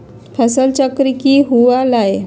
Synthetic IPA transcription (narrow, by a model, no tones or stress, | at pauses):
pʰɛsəlt͡ɕəkɾikiɦuʋalaje